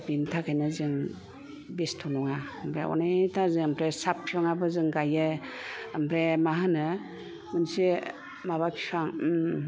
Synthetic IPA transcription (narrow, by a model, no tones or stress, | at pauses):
bintʰakʰajnɯzɯŋ | bestʰɔnɔŋampʰɾeɔ̰natʰazɯampɾesap̚ʰiɔŋabɯzɯŋɡajɯː | mpʰɾemaɦanɯ | mɯnsi | maβapʰi̥sʰaŋ